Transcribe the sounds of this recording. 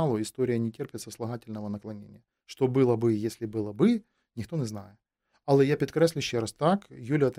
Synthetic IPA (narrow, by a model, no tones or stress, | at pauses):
ɑlˠʊɪst̪o̞ɾʲɪjənʲɪtʲerpʲɪt̪səslˠɐɣatʲɪlʲnəvənɐklˠɐnʲḛnʲɪ̰jə | ʂt̪o̞bɨlˠəbɨjesʲlʲɪbɨlˠɐbɨ | nʲɪxt̪o̞nʲɪznajɪt̪ | ɐlˠɛjapʲɾʲɪt̪kɾasʲlʲʊɕːɪɾast̪akjulʲɪɐt̪